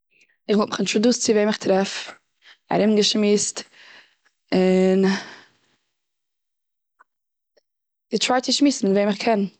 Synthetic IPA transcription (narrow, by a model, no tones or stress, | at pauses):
ɪχvɔlˠtmɪχɪntɾuduːst͡sɪveɪmɪχtɾɛf | a̰ɾɪmɡəʃmiːst | ɪn | d̥ɪtɾaɪt͡sɪʃmiːsn̩mɪtveɪmɪχkʰɛn